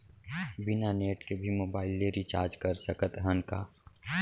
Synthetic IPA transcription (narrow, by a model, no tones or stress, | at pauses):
bɪnaneːʈkebʱimoːbaːɪlːeɾit͡ʃaːɾd͡ʒkɐɾsəkət̪ɦənkaː